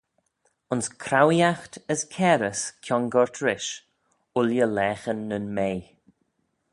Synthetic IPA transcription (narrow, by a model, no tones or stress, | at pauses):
ʊnskʰɾawjaxtəskʰɛːɾəskʰjɔŋɡɔɹtʰɾɪʃ | ʊljəlɛːxənːənmej